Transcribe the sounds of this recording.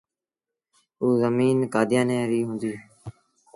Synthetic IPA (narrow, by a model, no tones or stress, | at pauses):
uːzəmiːnkaːd̪ɪjãːnẽːɾiːɦʊ̃ːnd̪iː